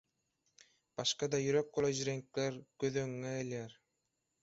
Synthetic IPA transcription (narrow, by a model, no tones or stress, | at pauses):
b̥ɑʃqɑd̪ɑjyɾøk̚bolˠojʒɾeŋkleɾɡ̥øðøŋːeelʲeɾ